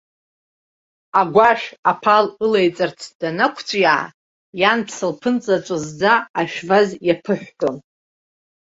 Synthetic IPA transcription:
aɡʷaʃᶣapʰalɨlejt͡sʼart͡sʰd̥anakʷʰt͡sʷʼjaʕa̰ | janpʰsɨlpʰɨnt͡sʼat͡ʃʷʼazd͡zaːʃᶣvazjapʰɨħᶣʷkʼom

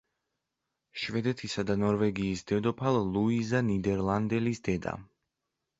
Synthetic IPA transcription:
ʃvɛd̪ɛt̪ʰisad̪anɔɾvɛɡiːsd̪ɛd̪ɔpʰalluizanid̪ɛɾlˠand̪ɛlisd̪ɛd̪a̰

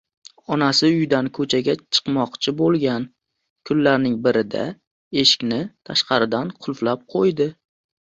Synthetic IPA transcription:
ɒnasɪʊjd̪ankʰɵt͡ʃʰaɡʲat͡ʃʰɨ̥qmɒqt͡ʃʰɪbolˠɡʲan | kʰʊlːaɾnɪŋbɪɾɪd̪a̰ | e̞ʃɪ̥kʲnɪt̪ʰaʃqɑɾɪd̪anqʰʊlˠflap̚qʰojd̪ɪ

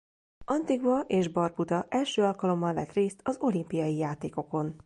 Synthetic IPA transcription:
ɒnt̪iɡvɒʔeːʒbɒrput̪ɒʔɛlʃøːɒlkɒlo̞mːɒlːɛ̰t̪reːst̪ɒzo̞limpijɒjijaːt̪eːko̞ko̞n

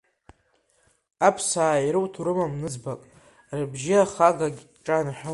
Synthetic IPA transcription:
apʰsaːiɾɨwtʰuɾɨmamnɨd͡zbakʼ | rɨbʒɪaχaɡaɡʲʈ͡ʂʼanħᶣʊ

